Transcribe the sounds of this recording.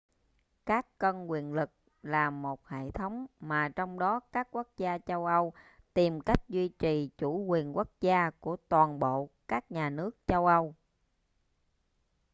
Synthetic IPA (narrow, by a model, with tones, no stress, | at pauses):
kaː˦˥kːə˧nkwi˨˩ənlɨ˨˩k̚ | laː˨˩mo˨˩t̚hḛ˧˨t̪ʰə˨˦wŋ͡mmaː˨˩t͡ɕɔ˧wŋ͡mɗɔ˨˦kaː˦˥k̚ku˦˥ək̚zaː˧t͡ɕə˧wʔə˧w | t̪i˨˩mka˦˥jk̟̚zwi˧t͡ɕi˨˩t͡ɕu˧˩kwi˨˩ənku˦˥ək̚zaː˧ku˧˩ət̪waː˨˩nɓo̰˧˨kaː˦˥k̚ɲaː˨˩nɨ˦˥ək̚t͡ɕə˧wʔə˧w